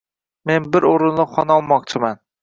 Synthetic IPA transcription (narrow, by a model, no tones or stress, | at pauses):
me̞nbɪɾoɾɪnlˠɪχɒnɒlˠmɒq̚t͡ʃʰɪman